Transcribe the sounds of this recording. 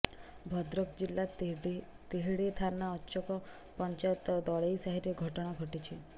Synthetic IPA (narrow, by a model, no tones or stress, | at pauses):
bʱɔd̪ɾɔkd͡ʒilːa | t̪eɦeɽit̪ʰanːaɔt͡ʃɔkɔ | pɔnt͡ʃajɔt̪ɔd̪ɔɭejsaɦiɾeɡʱɔʈɔɽ̃aɡʱɔʈit͡ʃʰi